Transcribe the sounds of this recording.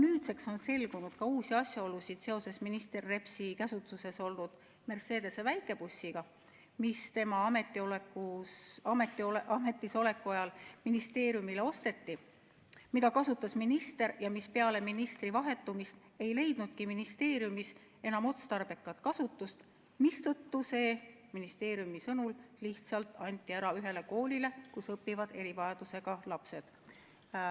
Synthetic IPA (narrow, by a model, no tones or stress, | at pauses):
nyːt̪se̞kso̞nse̞lɡ̥unud̪̥kɑuːsiɑsʲjɑo̞lusid̪̥se̞o̞se̞sminist̪e̞rːe̞psikæsut̪ːˑuse̞so̞lnud̪̥ | me̞rse̞ːd̪e̞sevæjkːˑe̞pusʲːiɡ̥ɑ | mist̪e̞mɑɑme̞t̪ːˑiolekːuɑmet̪ːˑioʔɑme̞t̪ːˑiso̞le̞kːˑuɑjɑlminist̪e̞ːɾjumileo̞st̪e̞t̪ːi | mid̪ɑkɑsut̪ːˑɑsminist̪e̞ɾjɑmispe̞ɑle̞minist̪rivɑɦe̞t̪ːˑumist̪ | e̞jle̞jd̪̥nud̪̥̚kiminist̪e̞ːɾjumis | e̞nɑmo̞t̪st̪ɑrb̥e̞kːˑɑt̪kɑsut̪ːˑust̪ | mist̪ɤt̪ːuse̞ː | minist̪e̞ːɾjumisɤnulliht̪sɑlt̪ːˑɑnʲt̪ːˑiæɾɑyɦe̞le̞ko̞ːlʲile̞kusɤpːˑivɑd̪̥e̞ɾivɑjɑd̪̥use̞ɡ̥ɑlɑpse̞d̪̥